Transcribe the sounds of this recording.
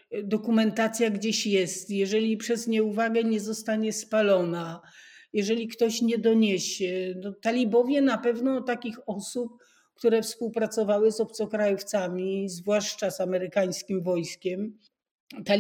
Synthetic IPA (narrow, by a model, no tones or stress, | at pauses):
d̪ɔkumɛnt̪at̪sʲjaɡd͡ʑeɕjɛst̪jɛʐɛlʲipʂɛzɲɛuvaɡɛɲɛzɔst̪aɲɛspalɔna | jɛʐɛlʲikt̪ɔɕɲɛd̪ɔɲeɕɛnɔt̪alʲibɔvʲjɛnapɛvnɔt̪akʲixɔsup̚ | kt̪uɾɛfspuwpɾat̪sɔvawɘzɔp̚t̪sɔkɾajuft̪samʲizvwaʂt͡ʂazamɛɾɘkaj̃skʲimvɔjskʲɛm | t̪a